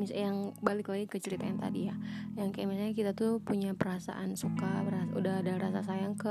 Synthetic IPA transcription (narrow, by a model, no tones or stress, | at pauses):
misajaŋbalɪklaɡikət͡ʃəɾit̪aant̪a̰dijajaŋkajamisalɲakit̪at̪upuɲapəɾasa̰ʔansukaɾaaʔudaɦdaɾasa̰sajaŋkə